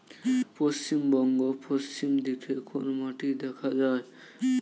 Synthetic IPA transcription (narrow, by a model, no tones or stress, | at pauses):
post͡ʃimbɔŋɡopost͡ɕimd̪ikʰekonomaʈid̪ɛkʰad͡ʒae